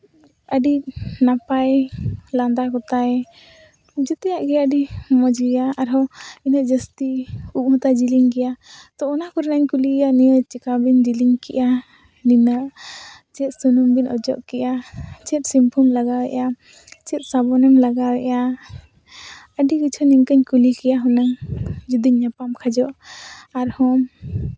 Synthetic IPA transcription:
əɖinapajland̪akɔt̪aj | d͡ʒɛt̪ɛjaʔɡɛəɖimɔd͡ʒijaaɾɔinəʔ̚d͡ʒəst̪iup̚mɔt̪ad͡ʒiliŋkɛjat̪ɔːnakɔɾɛnaɲkulijanijət͡ʃɛkabind͡ʒiliŋkɛʔa | ninaʔt͡ʃɛt̪̚sunumbinɔ̰d͡ʒɔ̰ʔkɛjat͡ʃɛt̪̚simpʰumlaɡawɛʔa | t͡ʃɛt̪̚sabɔnɛmlaɡawɛʔja | əɖikit͡ʃʰɔniŋkəɲkulikɛjaɦɔnaŋd͡ʒud̪iɲːapamkʰad͡ʒɔʔaɾhɔm

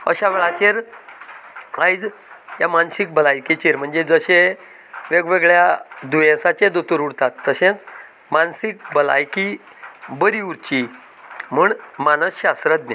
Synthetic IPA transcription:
əɕaʋeɭat͡ɕeɾ | ãjd͡zjamansik̚bəlajkit͡ɕeɾm̤əɳd͡zed͡zəɕẽ | ʋeɡʋeɡɭjad̪ujẽsat͡ɕẽd̪ut̪uɾuɽt̪at̪ːəɕẽt͡s | mansik̚bəla̰jki | bəɾiuɾt͡ɕi | m̤uːɳmanəsɕast̪ɾət̪̚ne

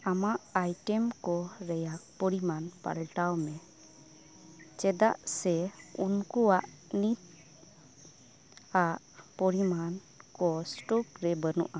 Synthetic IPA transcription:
amaʔajʈɛmkɔɾɛjak̚pɔɾimanpa̰lʈawmɛ | t͡ʃɛd̪aʔsɛunkuwaʔ | nit̪̚ | aʔ | pɔɾiman | kɔsʈukɾɛbənṵʔa

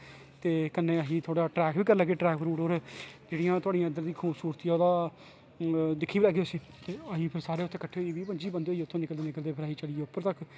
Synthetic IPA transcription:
t̪eːkənːẽːəɦĩːt̪ʰoːɽaːʈɾɛːkʋiːkəɾlɛːɡeːʈɾɛːkbʰɾuːʈɦoːɾd͡ʒeːɽijãːt̪ʊaːɖijãːənd̪əɾd̪iːkʰuːbsuːɾt̪ijãːoːd̪aː | d̪ɪkʰːiːbilɛːɡeːʊsiː | t̪eːəɦĩːpʰɪɾsaːɾeːʊt̪ʰːẽːkəʈʰːeːɦoiʋiːpəɲd͡ʒiːbənd̪eoiːʊt̪ʰːõːnɪkəld̪eːnɪkəld̪eːpʰɪɾaːiːt͡ʃəliːeːʊpːəɾt̪ək

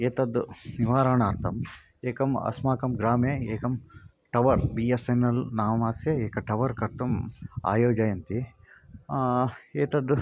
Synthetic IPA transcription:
eːt̪ɐd̪uniʋaːɾaːɳaːɾt̪ʰɐm | eːkɐmɐ̰smaːkɐmɡɾaːmeːeːkɐm | ʈɐʋɐɾbiːesɐnːɐlnaːmɐmaːsjɐeːkɐʈɐʋɐɾkɐɾt̪uma̰ːjoːd͡ʒaːjɐnt̪i | eːt̪ɐd̪u

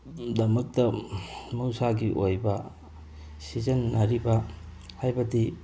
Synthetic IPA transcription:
dɐmɐk̚tɐmuwsaɡiʔojbɐ | sizɐnːɐɾibɐ | hajbɐdi

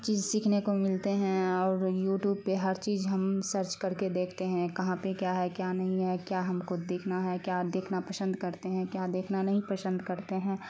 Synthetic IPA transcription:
t͡ʃiːzsiːkʰnekomɪlt̪eɦɛ̃ɔːɾjuːʈjuːb̚peɦɐɾt͡ʃiːzɦɐmsəɾt͡ʃkɐɾked̪eːkʰt̪eɦɛ̃kɐɦãpekjaːɦɛkjaːnɐɦĩɦɛkjaːɦɐmkʊd̪eːkʰnaɦɛkjaːd̪eːkʰnapəsə̃nd̪kɐɾt̪eɦɛ̃kjaːd̪eːkʰnanɐɦĩpəsə̃nd̪ʱkɐɾt̪eɦɛ̃ː

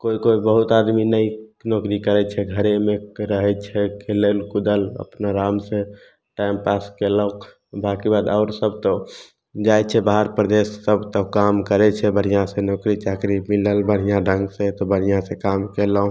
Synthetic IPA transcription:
koikoibəɦut̪ad̪minəinɔkɾikəɾɛt͡ʃʰɛɡʱəɾemeɾəɦɛt͡ʃʰɛkelelkud̪ələ̰pnaɾamsẽ | ʈajmpaskeləõ | bakibad̪aʊɾsəb̚t̪ə | d͡ʒajt͡ʃʰɛbaɦəɾpɾd̪esːəbʱt̪əkamkəɾɛt͡ʃʰɛbəɽ̤ijãsenɔːkɾit͡ʃakɾimiləlbəɽ̤ijãɖʱə̃ŋɡset̪ɔbəɽ̤ijãsekamkelə̃

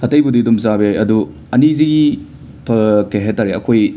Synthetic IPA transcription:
ɐtɐjbudidumzabiajɐdu | ɐniziɡi | pʰɐkeɦetːaɾeɐkʰoj

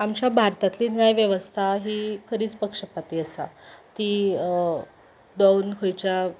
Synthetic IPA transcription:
amt͡ɕjabʱaɾt̪at̪liːnajʋjəʋəst̪ʰaɦiːkʰəɾiːt͡spəkʂəpat̪iːəsa̰t̪iː | d̪awnkʰojt͡ɕja

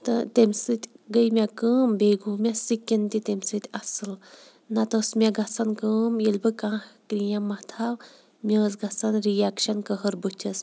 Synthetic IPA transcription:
t̪ɨt̪emʲsɨt̪ʲɡəjmʲakəːmbeːɡuːmʲasikʲːint̪ʲit̪ʲemʲsɨt̪ʲɐsɨl | nɐt̪osmʲaɡɐsɐnkəːmilbɨkãːkɾijamːɐt̪ʰaw | mʲɐːzɡɐsɐnɾijakʃɐnkəɦəɾbut͡ʃʲʰɐs

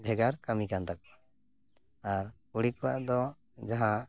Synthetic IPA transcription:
bʱɛɡaɾkamikant̪ak̚a | aɾ | uɽikɔwa̰ʔd̪ɔ | d͡ʒaɦã

